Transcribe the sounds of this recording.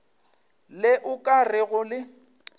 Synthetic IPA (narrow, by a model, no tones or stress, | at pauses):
lɪʔʊkʼarɪɣʊlɪ